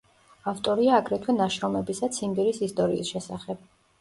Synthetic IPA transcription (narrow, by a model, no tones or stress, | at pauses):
aft̪ʼɔɾiaːɡɾɛt̪ʰwɛnaʃɾɔmɛbisat̪sʰimbɛɾisist̪ʼɔɾḭːsʃɛsaχɛb̥̚